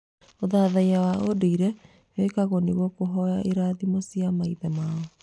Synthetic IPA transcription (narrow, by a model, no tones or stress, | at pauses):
oðaðaiawaʔodoiɾɛ | wekaɣɔneɣwɔkoɦɔjaʔeɾaðimosjamaiðɛmaɔ